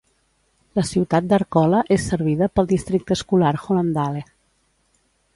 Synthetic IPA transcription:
ləsiwt̪at̪̚d̪əɾkɔləʔesːəɾβiðəpəlˠd̪ist̪ɾik̚t̪əskulaɾxoənd̪ale

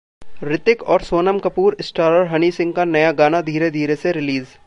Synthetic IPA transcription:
ɾɪt̪ɪkɔːɾsoːnəmkɐpuːɾɪsʈaːɾəɾɦɐnisɪ̃ŋɡkanɐjaɡaːnad̪ʱiːɾed̪ʱiːɾeseɾɪliːz

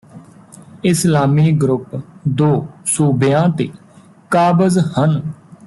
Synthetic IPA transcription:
ɪslaːmiːɡɾʊpd̪oːsuːbjãːt̪eː | kaːbəzhən

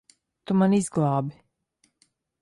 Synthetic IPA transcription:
t̪umanizɡlˠɑːbi

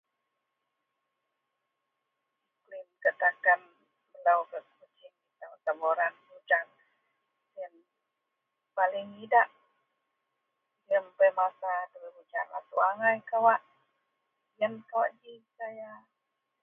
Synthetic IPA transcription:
klinkət̪akan | bəlawkəkkət͡ʃiit̪awt̪aboɾanbud͡ʒaŋ | ən | palɪŋidaʔ | jəmpəmasadəwibut͡ʃarla̰t̪uaŋajkawaʔ | jənkawa̰ʔd͡ʒisaja

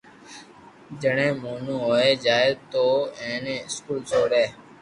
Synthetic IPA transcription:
d͡ʒəɳẽːmoːnũːɦoːeːd͡ʒaːedt̪oːẽːnẽːɪskuːlsʰoːɽeː

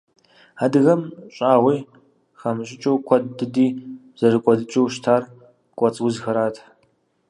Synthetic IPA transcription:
aːdɨɣɐmɕʼaːʁʷiː | xɐmɨɕ̬ʼɪt͡ʃʼowkʷʰɔddɨdiː | z̥ɐrɨkʷʼɔdɨt͡ʃʼɐwʃtʰaːr | kʷʼɔt͡sʼwʊzxɐɾaːtʰ

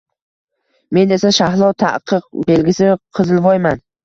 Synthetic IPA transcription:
me̞ne̞saʃaɦlˠɒwt̪ʰa̰qʰɨq̚be̞lɡʲɪsɪqʰɨzɪlˠvɒjman

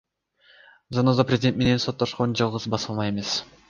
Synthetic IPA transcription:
zɑnozaprʲezʲɪd̪ʲe̞nt̪me̞nenso̞t̪ːoʃqond͡ʒɑlˠʁɯzbɑsɑlˠmɑje̞me̞s

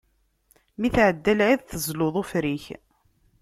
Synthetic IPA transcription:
miθʕəd̪ːælʕiðθəzloðˤʊfɾiç

